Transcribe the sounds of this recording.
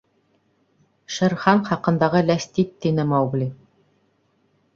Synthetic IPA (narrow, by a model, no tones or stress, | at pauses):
ʃɤ̆ɾχɑɴχɑqɤ̆nd̪ɑʁɤlæst̪it̪ːinɘmɑwɡli